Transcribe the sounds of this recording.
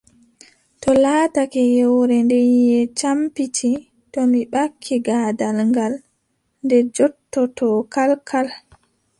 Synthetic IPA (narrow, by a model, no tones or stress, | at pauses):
tɔlaːtakɛjɛwɾɛndɛɛt͡ʃampitʰi | tɔmiɓakʰːiɡaːdalŋɡal | ndɛd͡ʒɔtːɔtɔkalkʰal